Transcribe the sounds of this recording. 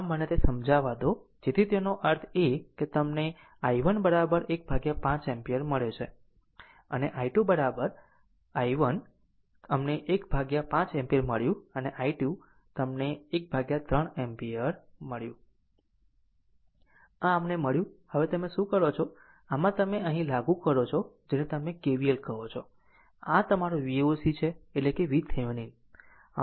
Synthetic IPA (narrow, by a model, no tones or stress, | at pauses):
amːənet̪esəmd͡ʒʱaʋad̪od͡ʒeɾit̪enoʔəɾt̪ʰeket̪əmne | aiʋənbəɾabəɾek̚bʱaɡjapãt͡ʃɛmpiəɾməɭet͡ʃʰḛ | ə̰neʔaiʈjubəɾabəɾ | aiʋən | əmneʔekbʱaɡjapãt͡ʃɛ̃mpiəɾməɭjũəneʔaiʈju | t̪əmneːk̚bʱaɡjat̪ɾəɳempijəɾməɭjũ | ãəmneməɭjũhəʋet̪əmeʃũkəɾot͡ʃʰo | amãt̪əmeəɦĩlaɡũkəɾot͡ʃʰod͡ʒenet̪əmekeʋielkəɦot͡ʃʰo | at̪əmaɾoʋiosit͡ʃʰeːʈlekeʋit̪ʰenin